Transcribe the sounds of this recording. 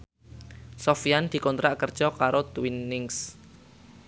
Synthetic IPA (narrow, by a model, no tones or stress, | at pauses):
sɔfijand̪̥i̤kɔnt̪ɾaʔkərd̥ʒ̥ɔkaɾot̪winːɪŋs